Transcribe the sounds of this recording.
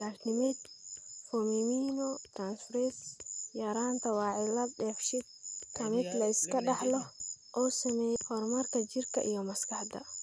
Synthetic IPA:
laknɪmɛt̪̚fɔmimiːnɔt̪ɾaːnsfɾɛsjɐɾaːnt̪ʰɐwɑːʕɪlɐb̚ɖɛːfʃɪd̪̚kʰɐmɪd̪lɐɪskɐɗɑħlɔʔɔːsɐmɛːjɛhɔɾmɐrkʰɐd͡ʒirkʰɐ̰ʔḭjɔmɐskɐħd̪ɐ̰

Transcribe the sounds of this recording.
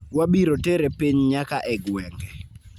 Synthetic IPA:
wabiɾoteɾepiɲɲakaʔɛɡwɛŋɡɛ

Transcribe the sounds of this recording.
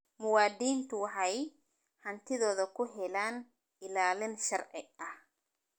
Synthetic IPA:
mʊwaːd̪iːnt̪ʰʊwɑħɑj | hɐnt̪ʰɪðɔːðɐkʰʊɦɛlaːn | ɪlaːlɪnʃɐrʕɪɐh

